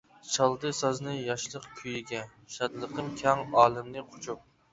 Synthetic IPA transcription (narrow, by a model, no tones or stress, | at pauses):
t͡ʃʰɑlˠd̪ɨsɑznɨjɑʃlˠəqkʲʰyjiɡʲɛ | ʃɑd̪lˠəqʰəmkʲʰɑŋɑːlˠɨmnɨqʰo̥t͡ʃʰup̚